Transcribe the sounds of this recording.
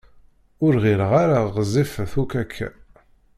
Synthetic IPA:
ʊɾʁɪɾəʁaɾaʁzifəθukækʰːæ̰

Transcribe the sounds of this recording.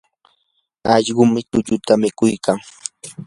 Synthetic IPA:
ɑʎɢʊmɪt̪ʊʎʊt̪amɪkʊjkaŋ

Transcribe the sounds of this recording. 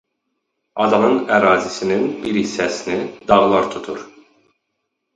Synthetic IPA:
ɑd̪ɑnɯnæɾɑːzisininbiɾisːæsinid̪ɑʁlˠɑɾt̪ʰut̪ʰuɾ

